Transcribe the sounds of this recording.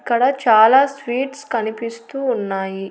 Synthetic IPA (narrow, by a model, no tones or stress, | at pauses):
kːɐɽɐt͡ʃaːlaːsʋiːʈskɐnipist̪uːnːaːji